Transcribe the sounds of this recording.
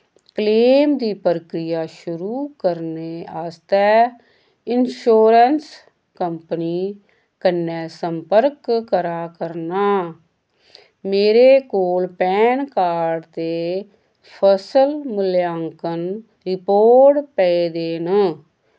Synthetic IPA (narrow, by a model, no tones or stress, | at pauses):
kleːmd̪iːpəɾəkɾɪjaːʃʊɾuːkəɾneːaːst̪ɛː | ɪnʃoːɾəns | kəmpəniː | kənːɛːsəmpəɾkkːəɾaːkəɾnaː | meːɾeːkoːlpɛːnkaːɖt̪eː | pʰəsəlmɪljaːŋkən | ɾɪpoːɾʈpɛeːd̪eːn